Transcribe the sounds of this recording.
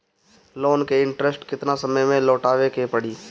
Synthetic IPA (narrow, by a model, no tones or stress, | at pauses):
loːnkeɪ̃ɳʈɾesʈkɪt̪nasəməjmẽloːʈaːʋekepəɽiː